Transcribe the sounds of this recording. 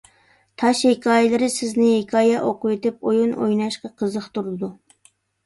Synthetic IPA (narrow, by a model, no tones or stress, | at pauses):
t̪ʰɑʃhekʰɑːjɪlˠɨɾɪsɪznɪhekʰɑːjɛʔoqʊwet̪ɪp̚ojuno̰jnɑʃqɑqʰəzəχt̪uɾɨd̪u